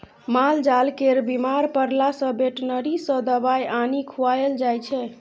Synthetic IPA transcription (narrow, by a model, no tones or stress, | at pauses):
mald͡ʒalkeɾbimaɾpəɾlasə̃beʈnəɾisə̃d̪əbajanikʰuajeld͡ʒajt͡ʃʰɛ